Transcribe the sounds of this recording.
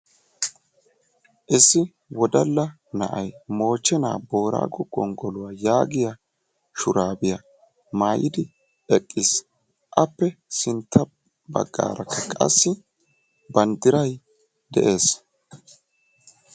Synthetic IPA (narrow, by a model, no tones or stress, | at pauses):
ʔɪsːɪ | wɔd̪ɐlːɐ | nɐ̰ʔɐjmo̞ːt͡ʃːɛna̰ːbo̞ːɾa̰ːɡɔɡ̥ɔŋɡɔlʊwaːjaːɡɪja | ʃʊɾaːbɪja | maːjɪd̪ɪ | ɛkʼːɪs | ʔɐpːɛsɪnt̪ʰːɐ | bɐ̰ɡːa̰ːɾʔɐkʰːɐkʼɐ̰sːɪ | bɐnd̪ɪɾɐj | d̪ɛ̰ʔe̞ːs